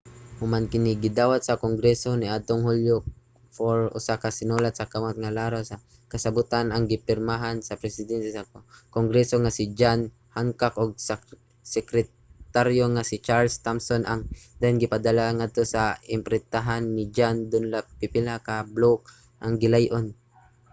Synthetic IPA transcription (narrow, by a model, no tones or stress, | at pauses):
hʊmankɪnɪɡɪd̪aːwat̪̚sɐkoŋɡɾɛsonɪʔad̪̚t̪oŋhuljo | foɾʔʊ̰sakasɪnulat̪̚sɐkamot̪̚ŋalaːɾosɐ | kɐsabʊt̪anʔaŋɡɪpɪɾmaɦansɐpɾɛsɪd̪ɛnt̪ɛsakoŋɡɾɛsoŋasɪd͡ʒan | haŋkakoɡ̚s | sɛkɾɛ | t̪aɾjoŋasɪt͡ʃaɾlst̪amsonʔaŋd̪aɪnɡɪpad̪alaŋad̪̚t̪osaɪmpɾɛt̪aɦanːɪd͡ʒand̪ʊnlapɪpɪlakablok̚ | ʔaŋɡɪlajʔon